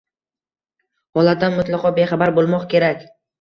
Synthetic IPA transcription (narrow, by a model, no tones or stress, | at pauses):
hɒlˠat̪d̪anmʊt̪lˠɑqʰɒbe̞χabaɾbolˠmɒqkʲe̞ɾakʲ